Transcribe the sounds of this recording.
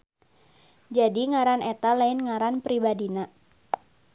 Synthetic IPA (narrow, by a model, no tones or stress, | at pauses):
d͡ʒadiŋaɾanɛt̪alaɪnŋaɾanpɾibadina